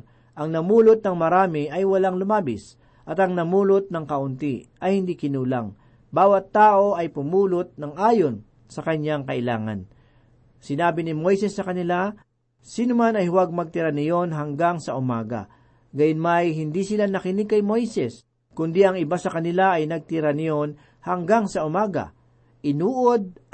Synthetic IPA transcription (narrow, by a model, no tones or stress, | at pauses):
ʔɐŋnɐmuːlʊt̪̚nɐŋmɐɾaːmɪʔɐjwɐlaŋlʊmaːbɪs | ʔɐt̪ɐŋnɐmuːlʊt̪̚nɐŋkɐʔʊnt̪iʔɐjhɪnd̪ikɪnuːla̰ŋ | baːwɐt̪ːaːʔo̞ʔɐjpʊmuːlʊt̪̚nɐŋʔaːjon | sɐkɐɲːaŋkɐʔɪla̰ːŋɐ̰n | sɪnaːbɪnɪmo̞jsɛsːɐkɐnɪla | sinʊmanɐjhʊwaɡ̚mɐɡ̚t̪ɪɾanɪjonɦɐŋɡaŋsɐʔʊmaːɡa̰ | ɡajʊnmajɦɪnd̪isɪlanɐkɪnɪɡ̚kːɐjmo̞jsɛs | kʊnd̪iɐŋɪbasɐkɐnɪlaɐjnɐɡ̚t̪ɪɾanɪjon | hɐŋɡaŋsɐʊmaːɡɐ̰ | ʔɪnuːʔod̪̚